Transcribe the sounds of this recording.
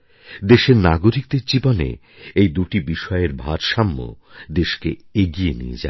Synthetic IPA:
d̪eʃeɾnaɡoɾik̚d̪eɾd͡ʑibonḛ | ejd̪uʈibiʃɔeeɾbʱaɾʃamːo̰d̪eʃkḛeɡienḭḛd͡ʑa̰

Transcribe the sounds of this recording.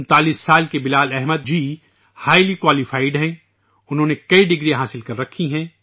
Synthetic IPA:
nt̪aːliːsːaːlkebɪlaːlɛɦməd̪̚d͡ʒiː | haːɪlikwaːlɪfaːɪɖɦɛ̃ː | ʊnɦõːnekɐiɖɪɡɾiãɦaːsɪlkɐɾːɐkʰːiɦɛ̃ː

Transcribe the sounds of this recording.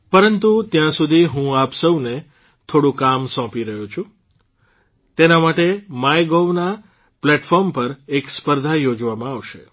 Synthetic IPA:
pəɾənt̪ut̪jãsud̪ʱiɦũapsəwne | t̪ʰoɽũkamsɔ̃piɾəɦũt͡ʃʰũ | t̪enamaʈemajɡoʋna | plɛʈfɔɾmpəɾekspəɾd̪ʱajod͡ʒʋamãaʋʃḛ

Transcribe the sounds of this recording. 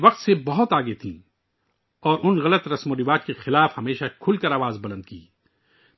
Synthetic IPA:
ʋɐqt̪sebɐɦʊt̪aːɡet̪ʰḭ̃ː | ɔːɾʔʊnɣɐlət̪ɾɐsmoɾɪʋaːd͡ʒkexɪlaːfhɐmeːʃakʰʊlkɐɾaːʋaːzbɐlə̃nd̪̚kḭː

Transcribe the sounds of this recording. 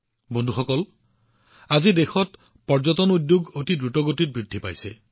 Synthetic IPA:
bondʱuxɔkɔl | azidexɔt | pɔɹzɔtɔnudjuɡotidɹutɔɡotit̚bɹidʱːipa̰jsɛ

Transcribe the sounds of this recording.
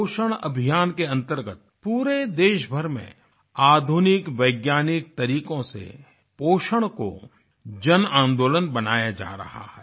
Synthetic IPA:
oːʃəɽ̃ɐ̰bʱijaːnkeɐ̃nt̪əɾɡət̪̚puːɾed̪eːʃbʱəɾmḛ̃ | aːd̪ʱunɪkʋɐɪɡjaːnɪk̚t̪ɐɾiːkõsḛ | poːʃəɽ̃ko̰ | d͡ʒɐnãːnd̪oːlənbɐnaːjad͡ʒa̰ːɾɐ̰ha̰hɛː

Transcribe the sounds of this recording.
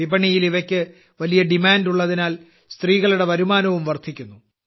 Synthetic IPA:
ibɐɳijiliʋɐkʲːɨ | ʋɐlijɐɖimaːnduɭːɐðinaːl | st̪riːɣɐɭuɽe̞ʋɐɾumaːnɐʋumʋɐrt̪ʰikʲːunːu

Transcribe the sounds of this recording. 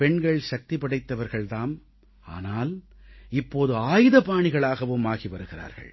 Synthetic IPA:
pɛɳɡɐɭʃɐk̚t̪ɪpɐɽɐɪt̪ːɐʋɐɾɣɐɭt̪aːm | a̰ːnaːl | ɪpːoːðɯaːjɯðɐpaːɳɪɣɐɭaːɣɐʋɯmaːɣiʋɐɾɯɣɪra̰ːɾɣɐ̰ɭ

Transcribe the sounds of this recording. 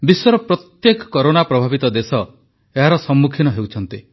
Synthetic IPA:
biswɔɾɔpɾɔt̪jekɔ̥kɔɾonapɾɔbʱabit̪ɔd̪esɔ | eɦaɾɔsɔmːukʰinɔɦewt͡ʃʰɔnt̪i

